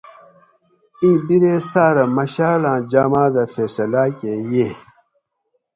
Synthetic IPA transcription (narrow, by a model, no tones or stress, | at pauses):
ĩːbiɾesaːɾɐmɐɕaːlãːd͡ʑaːmãːd̪ɐfeːsɐlaːkeje